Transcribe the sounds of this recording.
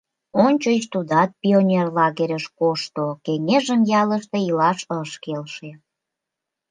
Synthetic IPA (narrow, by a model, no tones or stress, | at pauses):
onʲt͡ɕot͡ɕt̪ud̪ɑt̪̚pionʲerlɑɣeɾʲəʃkoʃt̪okeŋeʒəmjɑləʃt̪eilɑʃəʃkelʃe